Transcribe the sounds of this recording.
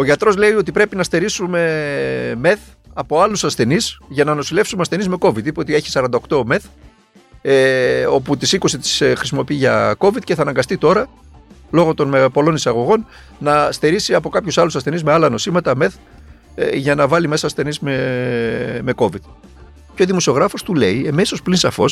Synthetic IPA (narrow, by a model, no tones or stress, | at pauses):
o̞ʝɐt̪ɾo̞zle̞io̞t̪̬ipɾe̞pinɐst̪e̞ɾisume̞ | me̞θ | ɐpo̞ɐlusɐsθe̞nisʝɐnɐno̞sile̞fsumeɐsθe̞nizme̞ko̞vit̪ipeo̞t̪ie̞çi̥sɐɾɐnd̪ɐokt̪o̞me̞θ | o̞put̪isiko̞sit̪i̥sxɾisimo̞piiʝɐko̞vit̪ce̞θɐnɐŋɡɐst̪it̪o̞ɾɐ | lo̞ɣo̞t̪o̞nmepo̞lo̞nisɐɣo̞ɣo̞n | nɐst̪e̞ɾisiɐpo̞kɐpçusɐlusɐsθe̞nizmeɐlɐno̞simɐt̪ɐme̞θ | ʝɐnɐvɐlime̞sɐːsθe̞nizme | me̞ko̞vit̪ | ceo̞ðimo̞sio̞ɣɾɐfo̞st̪ule̞ie̞meso̞splinsɐfo̞̰s